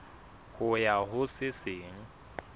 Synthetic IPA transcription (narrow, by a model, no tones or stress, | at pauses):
hʊjaɦʊsɪsɪːŋ̩